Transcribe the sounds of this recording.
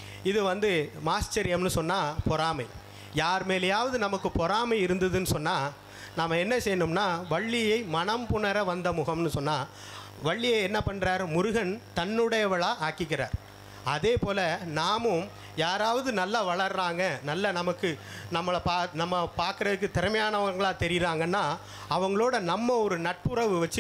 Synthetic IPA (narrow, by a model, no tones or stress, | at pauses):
ɪðɯʋɐnd̪ɯmaːsʈɐɾɪjɐmnɯsɔnːaːpɔɾaːmɐɪ | jaːɾmeːlɐjaːʋɐðɯnɐmɐkːɯpɔɾaːmɐɪɪɾɯnd̪ɐðɯnːɯsɔnːaː | namːɐɛnːɐsɛjːɐnɯmnaːʋɐɭːɪjɐɪmɐɳɐmpʊɳɐɾɐʋɐnd̪ɐmʊɣɐmnɯsɔnːaː | ʋɐɭːɪjɐɪɛnːɐpɐɳɾaːɾmʊɾʊɣɐnt̪ɐnːɯɽɐjɐʋɐɭaːʔaːkɪkːɪɾa̰ːɾ | ɐðeːpoːlɐnaːmɯm | jaːɾaːʋɐðɯnɐlːaʋɐɭɐɾɾaːŋɡɐnɐlːɐnɐmɐkːɯ | nɐmːɐɭɐpaːnɐmːɐpaːɾkɯɾɐðɯkːɯt̪ɛɾɐmɐjaːnɐʋɐŋɡɐɭaːt̪ɛɾɪɾaːŋɡɐnːaː | ɐʋɐŋɡɐɭoːɽɐnɐmːɐɔɾɯnɐʈ̚pɯɾɐʋɯʋɐt͡ʃːɯ